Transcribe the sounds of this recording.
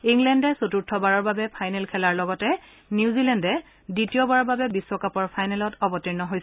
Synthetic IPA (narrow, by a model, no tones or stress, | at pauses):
iŋlɛndɛsotuɹtʰɔbaɹɔɹbabɛpʰajnɛlkʰɛlaɹlɔɡɔtɛ | niuzilɛndɛ | ditijɔbaɹɔɹbabɛbiswɔkapɔɹpʰajnɛlɔtɔbɔtiɹnɔɦojs